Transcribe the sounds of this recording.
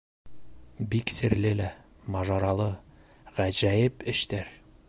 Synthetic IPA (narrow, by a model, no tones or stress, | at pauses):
biksɘ̆ɾlɘlæ | mɑʒɑɾɑlˠɤ | ʁæʑæjɘpɘ̆ʃt̪æɾ